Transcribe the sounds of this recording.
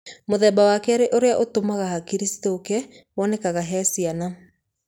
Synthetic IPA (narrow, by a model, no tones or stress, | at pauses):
moðɛːbawakɛaɾeʔoɾeaʔotomaɣahakiɾistoːkɛ | wɔːnɛkaɣaɦɛːsiana